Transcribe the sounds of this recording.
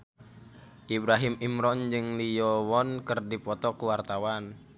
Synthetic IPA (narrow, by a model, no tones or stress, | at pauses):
ʔibɾaɦimimɾɔnd͡ʒɨŋlijɔwɔnkərdipɔt̪ɔkuwart̪awan